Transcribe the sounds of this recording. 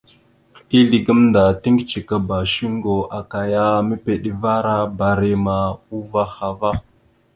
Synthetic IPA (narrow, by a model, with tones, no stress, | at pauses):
i˦li˨ɡə˦mnda˨ti˦ŋɡt͡ʃi˨ka˨ba˨ʃi˦ŋ˦ɡo˨ʔa˨ka˨ja˦mə˦pe˨ɗi˨va˦ɾa˦ba˨ɾe˨ma˨u˦va˦xa˨va˦